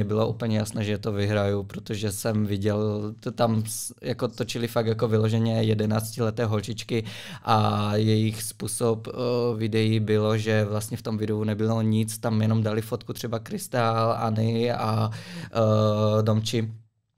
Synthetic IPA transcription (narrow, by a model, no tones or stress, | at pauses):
ɛbɪloʔṵːpl̩ɲɛjasnɛːʒɛt̪ovɪɦɾajupɾot̪oʒɛsɛmvɪɟɛlt̪amjakot̪ot͡ʃɪlɪfak̚jakovɪlo̞ʒɛɲɛjɛdɛnaːt͡scɪlɛt̪ɛːɦolt͡ʃɪt͡ʃkɪʔajɛjɪxspuːsopvɪdɛjibɪlo̞ʒɛvlast̪ɲɛft̪omvɪdounɛbɪloɲɪt͡st̪amjɛno̞mdalɪfot̪kut̪r̝̥ɛbakɾɪst̪ala̰nɪa | domt͡ʃɪ